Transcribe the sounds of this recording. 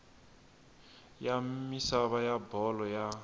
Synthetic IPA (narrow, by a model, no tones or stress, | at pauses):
jamisaβajabɔlɔja